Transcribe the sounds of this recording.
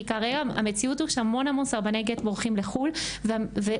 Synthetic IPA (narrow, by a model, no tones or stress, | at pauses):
kaʁeɡaa̰met͡siuthuʃehamo̞nhamo̞nsaʁbanejɡetboʁχimleχulveave